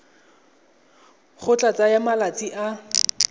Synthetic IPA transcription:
χʊt͡ɬʼat͡sʼajamalat͡sʼiʔa

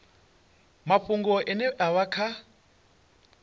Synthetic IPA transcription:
maɸuŋɡɔʔɛnɛʔaβakʰa

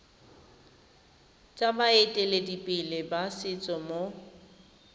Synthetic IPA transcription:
t͡sʼabaetʼeledipʼɪlɪbasɪt͡sʼɔmo

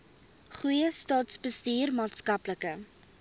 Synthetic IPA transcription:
χujəstɑːtsbəstiːrmɑːtskɐpləkə

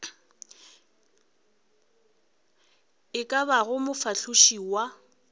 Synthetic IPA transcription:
ɪkʼabaɣʊmʊfaɬʰʊʃiːwa

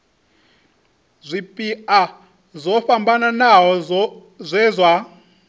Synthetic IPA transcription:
zʷipʼiʔa | zʷɔɸambananaɦɔ | zʷɛːzʷwa

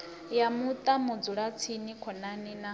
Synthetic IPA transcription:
jamut̪ʼamud͡zuɺat͡sʰinikʰɔnanina

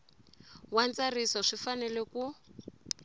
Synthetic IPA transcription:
want͡sarisɔʂifanɛlɛku

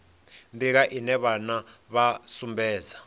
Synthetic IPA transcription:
ndiɣ̬aʔinɛβanaβasumbɛːd͡za

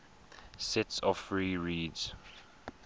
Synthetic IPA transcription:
sɛtsɔfɹiːɹiːdz̥

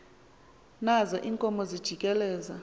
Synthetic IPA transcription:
nazɔʔiːŋkʼɔmɔzid̥ʒ̥ʱikʼɛlɛːza

